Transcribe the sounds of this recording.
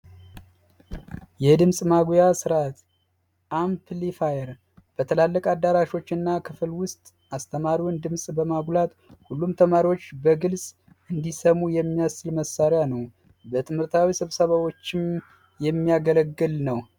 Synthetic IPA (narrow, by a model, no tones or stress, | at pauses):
jɛd̪ɨmsʼmaɡjasɨɾat̪ | ʔampʰlifajɛɾ | b̥ət̪ʰəlalːəkʼad̪ːaɾaʃo̞t͡ʃːɨnːakʰɨflwʊst̪ʼ | ʔast̪ʰəmaɾiwnd̪ɨmsʼbəmaɡʷlat̪ | hulːumt̪ʰəmaɾiwo̞t͡ʃːbəɡɨlsʼ | ʔɨnd̪isəmujɛmːijasɨlməsːaɾjanəw | bət̪ʰɨmhɨɾt̪ʰawisɨβsəβawo̞t͡ʃːɪm | jɛmːijaɡələɡːɨlnəw